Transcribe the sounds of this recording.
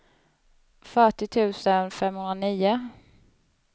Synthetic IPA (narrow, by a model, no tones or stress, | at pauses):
fœʈɪt̪ʰʉ̟ːsənfɛmhɵnɾaniːʊ